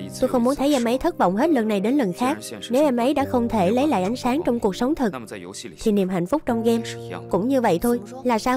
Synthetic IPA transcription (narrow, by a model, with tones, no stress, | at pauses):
t̪o˧jxə˧wŋ͡mmu˨˦ənt̪ʰə˨˦jʔɛ˧mʔə˨˦jt̪ʰə˦˥t̚vɔ̰˧˨wŋ͡mɦe˦˥t̚lə˨˩nːa˨˩jɗe˨˦nlə˨˩nxaː˦˥k̚ne˨˦wʔɛ˧mʔə˨˦jɗa̰ː˧˥xə˧wŋ͡mt̪ʰe˧˩lə˨˦jla̰ː˧˨jʔa˨˦jŋ̟saː˨˦ŋt͡ɕɔ˧wŋ͡mku˨˩ək̚sə˨˦wŋ͡mt̪ʰɨ˨˩k̚t̪ʰi˨˩ni˨˩əmɦa̰˧˨ŋ̟fʊ˦˥k͡p̚t͡ɕɔ˧wŋ͡mɣɛ˧mkʊ̰˧˥ŋ͡mɲɨ˧və̰˧˨jt̪ʰo˧jlaː˨˩saː˧